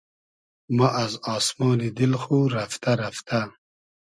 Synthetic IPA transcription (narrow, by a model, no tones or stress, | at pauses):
maʔazɑːsmɑːnid̪ɪlxuɾaft̪aɾaft̪ʰa